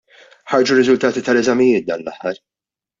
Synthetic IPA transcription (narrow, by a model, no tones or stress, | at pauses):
ħɐɾd͡ʒuɾːɪzʊlt̪ɐːt̪it̪ɐlɛzɐmɪjɪːt̪̚d̪ɐːnlɐ̰ħːɐɾ